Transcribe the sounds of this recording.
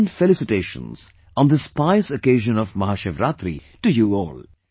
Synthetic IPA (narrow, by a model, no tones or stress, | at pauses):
nɖfelɪsɪʈeːʃə̰̃nz̥ | ɔ̃nd̪əspaɪsokeːʒə̃nɔvmɐɦaːʃeːʋɾat̪ɾḭ | ʈujuɔ̰ːl